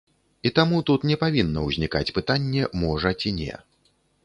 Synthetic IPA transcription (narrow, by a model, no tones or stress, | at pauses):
it̪amut̪ut̪nʲɛpavʲinːɐwzʲnʲika̰t͡sʲpɨt̪anʲːɛmɔʐɐt͡sʲinʲɛ̰